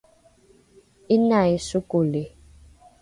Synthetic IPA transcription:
inaisukule

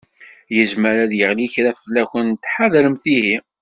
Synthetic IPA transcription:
jəzmæɾæðjəʁliçɾæfəlːæçənt̪ːħaðɾəmθiɦi

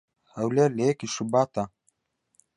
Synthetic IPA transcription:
hɐwleleekiʃubaːt̪a

